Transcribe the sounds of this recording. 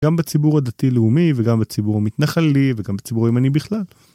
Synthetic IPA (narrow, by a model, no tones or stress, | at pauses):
ɡambat͡sibuʁad̪atileumiveɡambet͡sibuʁamit̪naχaliveɡambet͡sibuʁimanibiχlal